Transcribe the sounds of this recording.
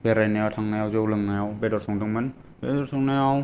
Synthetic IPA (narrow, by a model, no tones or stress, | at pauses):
beɾajnajawtʰaŋnajawzɔwlɯŋnajawbɛdɔɾsɔŋdɯŋman | bedɔɾsɔŋnajaw